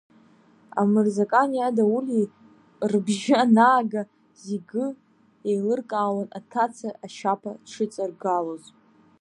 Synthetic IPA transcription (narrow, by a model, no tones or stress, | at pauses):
a̰mɨrzakʼanijadauli | rbʒaanaːɡa | ziɡɨ | ejlɨrkʼaːwanatʰat͡sʰaaʃapʰaʈ͡ʂʰɨt͡sʼarɡaloz